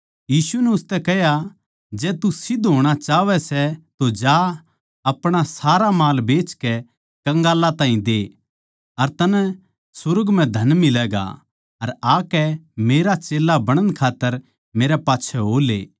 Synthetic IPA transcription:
jiːsunɛʊst̪ɛkɛɦja | d͡ʒɛːt̪usɪd̪ʱɦoːɽ̃at͡ʃaːʋɛsɛt̪od͡ʒa | ɐpɽ̃asaːɾamaːlbeːt͡ʃkɛ | kɐ̃ŋɡaːlːat̪aːɦĩd̪eː | ɐɾt̪ɐn | sʊɾəɡm̤ɛ̃d̪ʱɐnmɪlɛːɡa̰ | ɐɾaːkɛmeːɾat͡ʃeːlːabɐɽ̃ə̃nkʰaːt̪ːəɾ | meːɾɛpaːtːt͡ʃʰɛɦoːlḛː

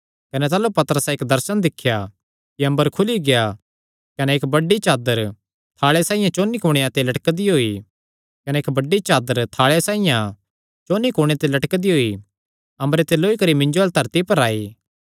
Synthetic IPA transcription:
kɐnɛt̪aːlupɐt̪əɾəsɛeːkd̪ɐɾsənd̪ɪkʰːja | kiɐ̃mbəɾkʰʊliɡeja | kɐneeːkbɐɖːit͡ʃaːd̪əɾ | t̪ʰaːɭesaːĩjãt͡ʃoːnikoːɽ̃ejãt̪elɐʈkd̪iɦoːi | kɐneːkbɐɖːit͡ʃaːd̪əɾt̪ʰaːɭejasãːijã | t͡ʃoːnikoːɽ̃eat̪elɐʈkd̪iɦoːi | ɐ̃mbɾet̪eloːikɐɾimɪ̃ɲd͡ʒoɐlt̪ɐɾt̪ipɐɾaːi

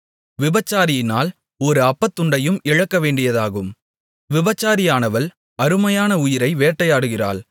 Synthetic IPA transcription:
ʋɪbɐt͡ʃːaːɾɪjɪnaːl | ɔɾɯɐpːɐt̪ːɯɳɖɐjɯmɪɻɐkːɐʋeːɳɖɪjɐðaːɣɯm | ʋɪbɐt͡ʃːaːɾɪjaːnɐʋɐl | ɐɾɯmɐjaːnɐʊjɪɾɐɪʋeːʈːɐjaːɽɯɣɪra̰ːɭ

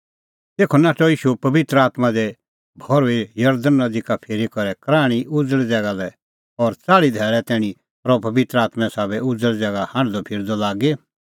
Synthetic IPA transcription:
t̪eːkʰɔnaːʈɔiːʃupɐbɪt̪ɾəaːt̪mad̪ɛ | bʱɔɾejɐɾd̪ənːɐd̪ikapʰeːɾikɔɾɛkɾaːɽ̃iʔʊd͡zəld͡zɛːɡalɛ | ɔɾt͡saːɽid̪ʱɛːɭɛt̪ɛːɽ̃ĩ | pɾɔpɐbɪt̪ɾəaːt̪mɛ̃saːbɛʊd͡zəld͡zɛːɡahãːɖ̃d̪ɔpʰɪɾd̪ɔlaːɡe

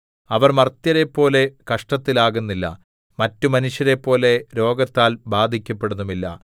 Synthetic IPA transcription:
ɐʋɐrmɐrt̪jɐɾe̞pːo̞ːle̞kɐʂʈɐt̪ːilaːɣunːilːɐ̰ | mɐtːumɐnuʂjɐɾe̞pːo̞ːle̞ɾo̞ːɡɐt̪ːaːlbaːd̪ʱikʲːɐpːe̞ɽunːumilːɐ̰

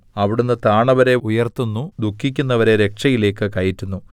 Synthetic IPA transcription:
ɐʋiɽunːɨt̪aːɳɐʋɐɾe̞ujɐrt̪unːud̪ukʰːikʲːunːɐʋɐɾe̞ɾe̞kʂɐjile̞ːkːɨkɐjitːunːu

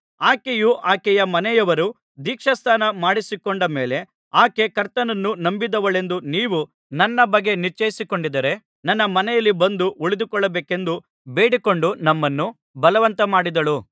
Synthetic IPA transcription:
aːkejuʔaːkɛjɐmɐnɛjɐʋɐɾu | d̪iːkʂɐst̪ʰaːnɐmaːɽisikoɳɖɐme̞ːle̞ | aːke̞kɐɾt̪ɐnɐnːunɐmbid̪ɐʋɐɭe̞nd̪uniːʋu | nɐnːɐbɐɡːe̞niɾt͡ʃɐjisikoɳɖid̪ɐɾe̞ | nɐnːɐmɐnɛjɐlːibɐnd̪uʔuɭid̪ukɔɭːɐbeːke̞nd̪u | beːɽiko̞ɳɖunɐmːɐnːu | bɐlɐʋɐnt̪ɐmaːɽid̪ɐɭu

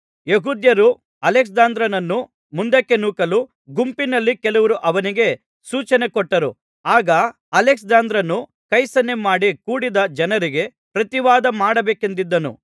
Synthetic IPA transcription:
jeɦuːd̪jɐɾu | ɐleks̬d̪aːnd̪ɾɐnɐnːu | mund̪ɐkːe̞nuːkɐlu | ɡumpinɐlːikɛluʋɐɾuʔɐʋɐniɡe̞ | suːt͡ʃɐne̞kɔʈːɐɾu | aːɡɐ | ɐleks̬d̪aːnd̪ɾɐnːu | kɐjsɐnːemaːɽikuːɽid̪ɐd͡ʒɐnɐɾiɡe̞ | pɾɐt̪iʋaːd̪ɐmaːɽɐbeːke̞nd̪id̪ːɐnṵ

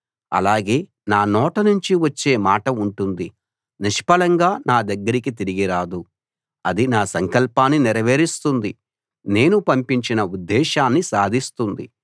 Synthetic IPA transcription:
ɐ̰laːɡe̞ː | naːnɔːʈɐnuɲt͡ʃiʋɐt͡ʃːe̞ːmaːʈɐuɳʈund̪i | niʂpɐlɐŋɡaːnaːd̪ɐɡːɐɾikit̪iɾiɡiɾaːd̪u | ɐd̪inaːsɐŋkɐlpaːnːiniɾɐʋeːɾist̪und̪i | ne̞ːnupɐmpiɲt͡ʃinɐud̪ːɛːʃaːnːisaːd̪ʱist̪und̪ḭ

